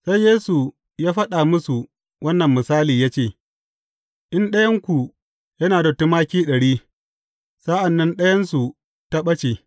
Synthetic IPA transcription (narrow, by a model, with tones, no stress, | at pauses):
sa˦jjeː˦su˨ | jaː˦ɸɐ˦ɗaː˨mʊ˦su˨ | wɐ˦nːɐ˨mːɪ˨saː˦liː˨jaː˦t͡ʃeː˦˨ | ʔɪ˦nɗɐ˦jɐ˦ŋkʷu˨ | jɐ˦naː˨dɐ˨tu˦maː˦kʲiː˦ɗɐ˨ɽiː˦ | sa˦ʔa˨nːɐ˦nɗɐ˦jɐ˦nsu˨ | ta˦ɓɐ˦t͡ʃe˨